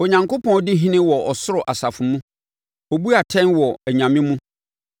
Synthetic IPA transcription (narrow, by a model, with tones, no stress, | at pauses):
ɔ˨ɲã˨ŋko˦pʰɔ̃˦dɪ˦ɦĩ˦nɪ̃˦wɔ˨ɔ˨sʊ˦ɾʊ˨ʔa˨sa˨fʊ˨mũ˦ | ɔ˨bu˦a˨tʰɛ̃˦nwɔ˨æ˨ɲã˨mɪ̃˦mũ˦